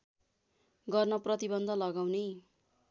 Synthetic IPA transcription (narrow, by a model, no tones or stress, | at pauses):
ɡʌrnʌprʌt̪ibʌnd̪ʱʌlʌɡawne